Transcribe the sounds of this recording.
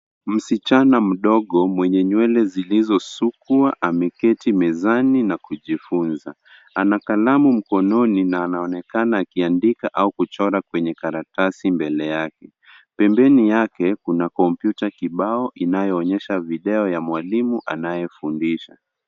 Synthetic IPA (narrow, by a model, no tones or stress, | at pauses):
m̩sit͡ʃanam̩ɗɔɠɔmwɛɲɛɲwɛlɛzilizɔsukuaʔamɛkɛtimɛzaninakuʄifunza | anakalamum̩kɔnɔninaːnaɔnɛkanaːkiandikaʔaukut͡ʃɔɾakwɛɲɛkaɾatasimbɛlɛjakɛ | pɛmbɛnijakɛkunakɔmpjutakiɓaɔʔinajɔːɲɛʃaviɗɛɔjamwalimuʔanajɛfundiʃa